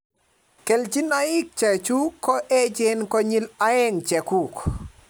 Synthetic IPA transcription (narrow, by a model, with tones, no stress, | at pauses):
ke˨ld͡ʒi˦na˦ɪ˦k̚t͡ʃa˨t͡ʃu˦kɔ˦ʔe˦d͡ʒe˦nkɔ˦ɲi˦la˦ɛ˦ŋt͡ʃɛ˨ku˦˨k